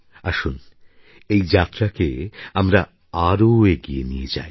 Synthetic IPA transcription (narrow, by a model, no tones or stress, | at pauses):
aʃun | ejd͡ʑat̪ːɾakeamɾa | aɾoeɡienijed͡ʑaj